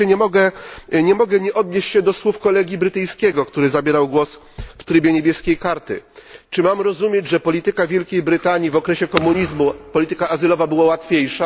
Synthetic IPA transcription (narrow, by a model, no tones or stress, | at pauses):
ɛɲɛmɔɡɛɲɛmɔɡɛɲɛʔɔd̪ɲeɕt͡ɕɕɛd̪ɔswufkɔlɛɡʲjibɾɘt̪ɘj̃skʲɛɡɔkt̪uɾɘzabʲjɛɾawɡwɔs | ft̪ɾɘbʲjɛɲebʲjɛskʲejkaɾt̪ɘ̰t͡ʂɘmamɾɔzumʲjed͡ʑʐɛpɔlʲit̪ɘkavʲjɛlkʲejbɾɘt̪aɲivɔkɾɛɕɛkɔmuɲizmupɔlʲit̪ɘkaazɘlɔvabɘwawat̪fʲejʂa